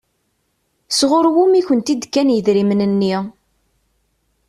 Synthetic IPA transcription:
sʁʊɾwumiçənt̪id̪kːænjəðɾimnənːi

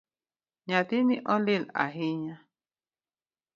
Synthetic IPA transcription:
ɲãt̪inĩʔõlila̰ɦiɲã

